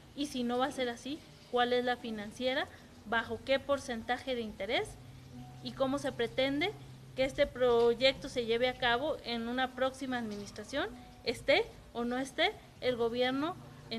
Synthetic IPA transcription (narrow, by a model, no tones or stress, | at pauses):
isinoβaseɾasi | kwalezlafinansjeɾa | βaxokepoɾsent̪axeðeint̪eɾes | ikomose̞pɾet̪end̪e | keest̪epɾoʝek̚t̪ose̞ʝeβeakaβoʔenunapɾoksimaːðminist̪ɾasjon | est̪e | onoest̪eː | lɣoβjeɾno | e